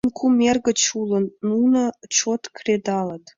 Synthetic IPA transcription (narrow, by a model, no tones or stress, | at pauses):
nkʰumʲerɡə̆t͡ɕulə̆nːunə̆t͡ɕot̪krʲed̪ɑlə̆t̪